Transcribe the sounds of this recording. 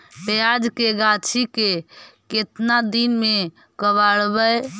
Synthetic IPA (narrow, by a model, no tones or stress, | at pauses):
pjad͡ʒkeɡat͡ʃʰikeket̪nad̪inme | kəβaɽbəj